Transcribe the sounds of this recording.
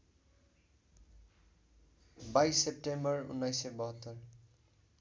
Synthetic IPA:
bajsːep̚ʈembʌrṵnːajsebʌɦʌt̪ːʌr

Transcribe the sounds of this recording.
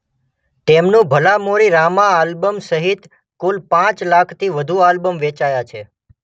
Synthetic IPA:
t̪emnũbʱəlamoɾiɾamaːlbəmsəɦit̪ | kulpãt͡ʃlakʰt̪ʰiʋəd̪ʱualbəmʋet͡ʃajat͡ʃʰe

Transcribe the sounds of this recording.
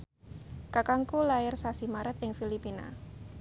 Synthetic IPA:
kakaŋkulaɪrsasimaɾat̪ɪŋfilipina̰

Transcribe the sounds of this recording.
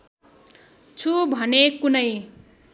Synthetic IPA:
t͡sʰubʱʌnekunʌj

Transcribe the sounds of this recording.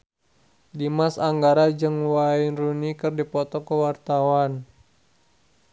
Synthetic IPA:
dimasaŋɡaɾad͡ʒɨŋwainrunikɨrdipɔt̪ɔkəwart̪awan

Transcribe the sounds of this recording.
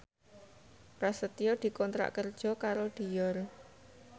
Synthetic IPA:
pɾasət̪ijod̪̥i̤kɔnt̪ɾa̰ʔkərd̥ʒ̥ɔ̤kaɾoɖ̪̥i̤jɔr

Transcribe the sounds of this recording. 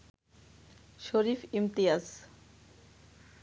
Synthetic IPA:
ʃoɾifimt̪ijaz

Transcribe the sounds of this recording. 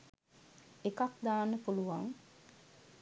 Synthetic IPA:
ekakd̪aːnːəpuluʋaŋ

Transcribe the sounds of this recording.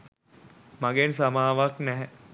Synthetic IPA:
maɡens̬amaːʋaknɛɦɛ

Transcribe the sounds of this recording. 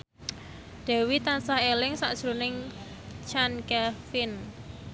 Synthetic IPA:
d̪̥ɛ̤wit̪ansahelɪŋsa̰ʔd̥ʒ̥ɾunɪŋ | t͡ʃankafɪn

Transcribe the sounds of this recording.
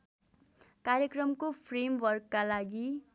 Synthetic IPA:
kaɾjekrʌmkopʰremwʌrkːalaɡi

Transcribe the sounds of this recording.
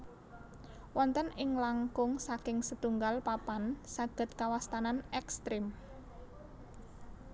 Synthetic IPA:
wɔnt̪ənɪŋlaŋkʊŋsakɪŋsət̪uŋɡalpapansaɡ̥ə̤t̪̚kawast̪ananɛkst̪ɾɪm

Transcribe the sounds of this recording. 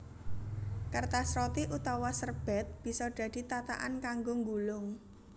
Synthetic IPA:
kərt̪asɾɔt̪iʔut̪awɔsərb̥ɛt̪̚b̥i̤sɔɖ̪̥a̤d̪̥i̤t̪at̪a̰ʔa̰nkaŋɡoŋɡulʊŋ

